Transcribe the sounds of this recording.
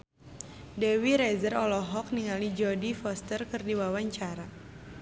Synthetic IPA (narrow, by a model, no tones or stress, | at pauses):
dɛwiɾɛzərɔlɔɦɔk̚niŋalid͡ʒɔdifɔst̪ərkɨrdiwawaɲt͡ʃaɾa